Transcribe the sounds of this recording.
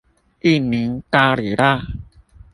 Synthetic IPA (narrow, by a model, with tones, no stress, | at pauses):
i˥˦˨mi˨˦ŋta˧ɾi˨˩ɾa˦˧˨